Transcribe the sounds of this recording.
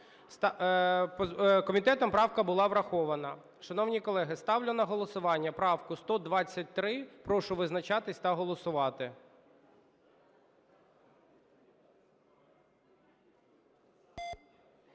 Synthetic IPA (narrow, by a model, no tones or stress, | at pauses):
st̪pkɔmʲit̪ɛt̪ɔmpɾɑwkɐbʊlˠɑʋɾɐxɔʋɐnɐ | ʃɐnɔwnʲikɔlˠɛɦɪst̪ɑwlʲɪnɐɦɔlˠɔsʊʋɑnʲːɐpɾɑwkʊst̪ɔd̪ʋɑt͡sʲːɐt̚ʲt̪ɾɪpɾɔʃʊʋɪznɐt͡ʃɑt̪ɪsʲt̪ɐɦɔlˠɔsʊʋɑt̪ɪ